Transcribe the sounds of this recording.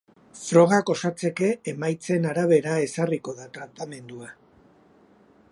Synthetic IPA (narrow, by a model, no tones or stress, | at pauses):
fɾo̞ɣ̞ako̞sat͡se̞ke̞ːmajt͡se̞naɾaβ̞e̞ɾae̞sariko̞ðat̪ɾat̪ame̞nd̪ua